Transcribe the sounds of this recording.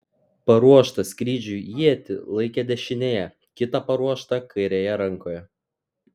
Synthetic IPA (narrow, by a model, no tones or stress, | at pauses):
pɐɾuɔʃt̪ɐsʲkʲɾʲiːd͡ʒʲʊjiɛt̪ʲɪ̰lˠɐɪkʲɛd̪ʲɛʃʲɪnʲeːjɛ | kʲɪt̪ɐpɐɾuɔʃt̪ɐkɐɪɾʲejɛɾɐŋˑkoːjɛ